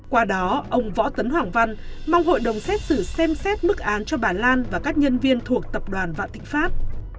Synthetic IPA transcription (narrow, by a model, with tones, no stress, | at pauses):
kwaː˧ɗɔ˨˦ʔə˧wŋ͡mvɔ̰˧˥t̪ə˨˦nɦwaː˨˩ŋva˧nma˧wŋ͡mɦo̰˧˨jɗə˨˩wŋ͡msɛ˦˥t̚sɨ˧˩sɛ˧msɛ˦˥t̚mɨ˦˥k̚ʔaː˨˦nt͡ɕɔ˧ɓaː˧˩nlaː˧nvaː˨˩kaː˦˥k̚ɲə˧nvi˧ənt̪ʰu˨˩ək̚t̪ə˨˩p̚ɗwaː˨˩nva̰˧˨nt̪ï˧˨ŋ̟faː˦˥p̚